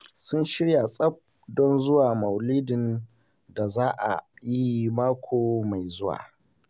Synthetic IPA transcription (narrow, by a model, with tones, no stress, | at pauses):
sʊ˦nʃɪ˦ɽja˨sʼɐ˦b̚ | dɔ˦nzʊ˦waː˨mɐ˨wliː˦dɪ˨n | da˨zaː˦ʔa̰˨ji˦maː˦kʷʰoː˨ma˨jzʊ˦wa̰ː˨